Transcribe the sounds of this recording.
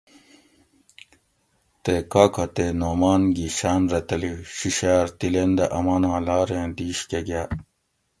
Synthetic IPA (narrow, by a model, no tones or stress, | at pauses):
t̪ekaːkʰɐt̪eːnoːmaːnɡiɕaːnɾɐt̪ɐliɕiɕaːɾt̪ilend̪ɐʔɐmaːnãːlaːɾẽːnd̪iːɕkeɡaː